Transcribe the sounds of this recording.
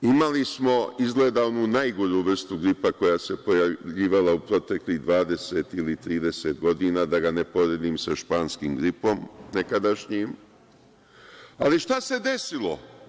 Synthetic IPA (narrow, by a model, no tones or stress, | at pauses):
imalismo̞izɡleːd̪aonunajɡoɾuʋr̩st̪uɡɾipako̞jase̞po̞jaʎiːʋalaupɾo̞t̪e̞klid̪ʋaːd̪e̞se̞t̪ilit̪ɾiːd̪e̞se̞ːt̪ɡo̞d̪iːnaːd̪aɡane̞po̞ɾed̪iːmsaʃpaːnskiːmɡɾipo̞mnekad̪aʃɲim | aliʃt̪ase̞d̪e̞silˠo̞